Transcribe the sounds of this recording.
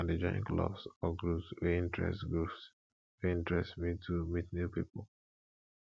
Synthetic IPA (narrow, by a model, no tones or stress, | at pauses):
ãndid͡ʒɔ̃jḭ̃ŋklɔ̰bsɔɡɹupswɛĩntʰɹɛ̰stɡɹups | wɛĩntɹɛstmitʰumitnupipɔl